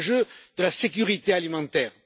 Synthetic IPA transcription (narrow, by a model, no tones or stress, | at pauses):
ʒød̪əlasek̬ʲyʁit̪ealimɑ̃t̪ɛːʁ